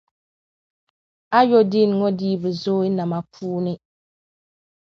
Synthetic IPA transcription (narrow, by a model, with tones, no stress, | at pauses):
a˦jo˦di˦n˨˦ŋɔ˦diː˦bu˨zoː˦ɪ˦na˨ma˨pʰuː˦nɪ˦